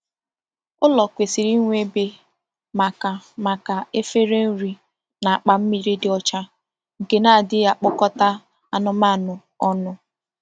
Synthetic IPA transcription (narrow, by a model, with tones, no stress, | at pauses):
ʊ˦lɔ˨kʷe˨si˨ɾi˦ŋʷe˦be˨ | ma˨ka˨ma˨ka˨e˦fe˦ɾe˦n̩˦ɾi˨ | na˨a˨k͡pa˨m̩˦mi˨ɾi˦dɪ˦ɔ˦t͡ʃa˦ | ŋ̩˨ke˨na˦˨dɪ˦a˨k͡pʊ˦kɔ˦ta˦ | a˨nʊ˦ma˦˨nʊ˨ | ɔ˦nʊ˦